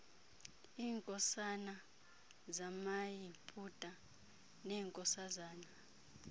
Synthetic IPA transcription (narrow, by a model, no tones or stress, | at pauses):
iːŋkʼɔsana | zamajipʼutʼa | nɛːŋkʼɔsazaːna